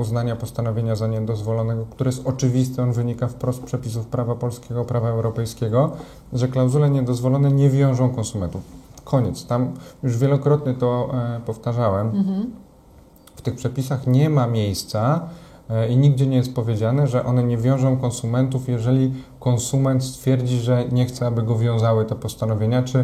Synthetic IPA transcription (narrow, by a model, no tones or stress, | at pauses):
uznaɲapɔst̪anɔvʲjeɲazaɲɛd̪ɔzvɔlɔnɛɡɔk̚t̪uɾɛjɛst̪ɔt͡ʂɘvʲist̪ɛɔnvɘɲikafpɾɔst̪̚pʂɛpʲis̬ufpɾavapɔlskʲeɡɔpɾavaɛwɾɔpɛjskʲɛɡɔ | ʐɛklawzulɛɲɛd̪ɔzvɔlɔnɛɲɛvʲjɔ̃w̃ʐɔ̃w̃kɔ̃nsumɛnt̪ufkʰɔɲɛt̪st̪amjuʐvʲjɛlɔkɾɔt̪ɲɛt̪ɔpɔft̪aʐawɛm | ft̪ɘxpʂɛpʲisaxɲɛmamʲjejst̪sa | iɲiɡ̚d͡ʑɛɲɛjɛst̪̚pɔvʲjed͡ʑanɛʐɛʔɔn̪ɛɲɛvʲjɔ̃w̃ʐɔ̃w̃kɔnsumɛnt̪ufjɛʐɛlʲikɔnsumɛnt̪st̪fʲjɛɾd͡ʑiʐɛɲɛxt̪sɛabɘɡɔvʲjɔ̃w̃zawɘt̪ɛpɔst̪anɔvʲjeɲat͡ʂɘ